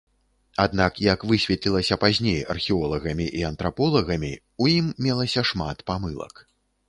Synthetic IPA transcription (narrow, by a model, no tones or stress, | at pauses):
ad̪nakjɐkvɨsʲvʲɛt̪lʲilˠɐsʲɐpazʲnʲejɐ̰rxʲiɔlˠɐɣɐmʲiʔiɐnt̪ɾapɔlˠɐɣɐmʲi | ujimːʲɛlˠɐsʲɐʂmat̪pamɨlˠɐ̰k